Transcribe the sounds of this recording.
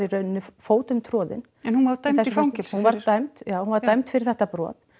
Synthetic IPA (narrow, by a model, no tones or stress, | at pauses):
ɪrœːɥnnːʏfoːwt̪ʏmt̪ʰɾɔːðɪ̰n | ɛnhunvat̪ajmθɛfcɪhunvaɾt̪ajmt̪jaːwhunvaɾt̪ajmt̪fɪɾɪɾ̥θɛht̪apɾɔ̰ːt̪̚